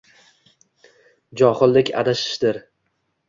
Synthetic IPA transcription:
d͡ʒɒχɨlˠːɪkʲa̰d̪aʃɪ̥ʃd̪ɪɾ

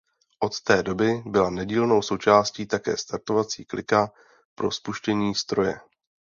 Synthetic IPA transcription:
ʔo̞t̪t̪ɛːdo̞bɪbɪlanɛɟiːlno̞wso̞wt͡ʃaːsciːt̪akɛ̰ːst̪aɾt̪o̞vat͡siːklʔɪka | pɾo̞̰spuʃcɛɲiːst̪ɾo̞jɛ̰

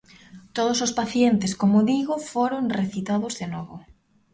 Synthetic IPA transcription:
t̪oð̞osospaθjent̪eskomoðiɣofoɾoŋreθit̪aðozðenɔβo

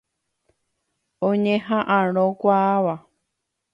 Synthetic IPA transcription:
õɲẽɦãʔãɾ̃õkʷaːβa

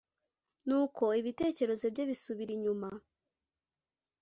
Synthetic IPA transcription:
nuːkʰo̞iβite̞ːce̞ɾe̞zebɟeβisuβiɾiɲuma

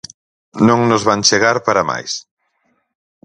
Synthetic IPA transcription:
nõŋnʊzβaŋt͡ʃeɣaɾpaɾama̰js

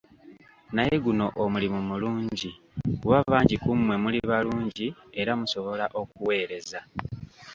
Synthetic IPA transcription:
naje̞ɡuno̞ʔomulimumuluːɲɟi | ɡuβaβaːɲɟikumːwe̞muliβaluːɲɟie̞ɾamuso̞βo̞laʔo̞kuwe̞ːɾe̞za

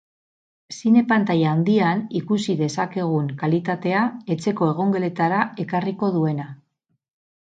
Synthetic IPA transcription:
sine̞pant̪ajaːnd̪ianikusiðe̞sake̞ɣ̞uŋkalit̪at̪e̞ae̞t͡se̞ko̞e̞ɣ̞o̞ŋɡe̞le̞t̪aɾae̞kariko̞ð̞ue̞na

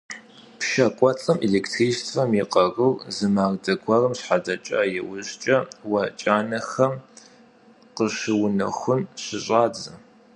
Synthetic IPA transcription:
pʃɐkʷʼɔt͡sʼɐmʔeleːktʰriːʃtʰfɐmjiqɐrʊrzɨmaːrdɐɡʷʰɐrɨmɕħadɐt͡ʃʼɐ̰jɛwʊɕt͡ʃʼɐwɐt͡ʃʼaːnɐxɐm | qəɕɨwʊnɐ̰xʷʊnɕɪɕʼaːd͡zɐ

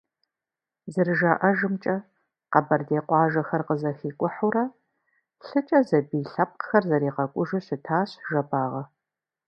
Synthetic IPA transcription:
zɨrɨʒaːʔɐʒɨmt͡ʃʼɐ | qɐbɐrdeːqʷɑːʒɐxɐrqəzɐxiːkʷʼʊħuɾɐ | ɬɨt͡ʃʼɐzɐbiːɬɐp̚qxɐrzɐɾiːqɐkʷʼʊʒɨɕɪtʰaːɕʒɐpʰʼaːʁɐ

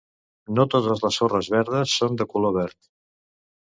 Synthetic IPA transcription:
not̪ot̪əzləsorəzβɛɾð̞əsːond̪əkuloβɛɾt̪

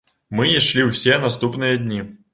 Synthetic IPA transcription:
mɨiʂlʲiwsʲenast̪upnɨjɐd̪ʲnʲi

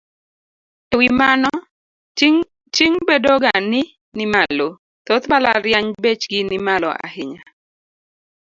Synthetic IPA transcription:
ewimanɔ | t͡ʃiŋbedoɡanɪ | nɪmalo | t̪ɔt̪bala̰ɾjaɲbet͡ʃɡɪnɪmalɔ̰ʔa̰hɪɲa

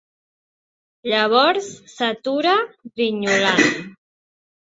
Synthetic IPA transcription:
ʎaβ̞ɔɾsːat̪uɾaβiɲulan

